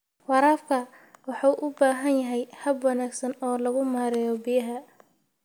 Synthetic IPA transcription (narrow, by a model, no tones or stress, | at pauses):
wɑɾaːfkʰɐ | wɑħɑwʔʊbaːɦɐnjɐɦɛjhɐbwɑnaːɡsɐnɔːlɐɣʊmaːɾɪjɔbɪjɐɦɐ